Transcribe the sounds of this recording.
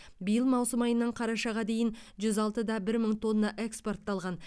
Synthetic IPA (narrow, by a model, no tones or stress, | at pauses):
bijəlˠmɑwsəmɑjənːəɴqʰɑɾɑʃɑʁɑd̪e̞jɪnʒʏzɑlˠt̪əd̪ɑbɪɾməɴt̪ʰo̞nːɑʔe̞kspo̞rt̪ːɑlˠʁɑn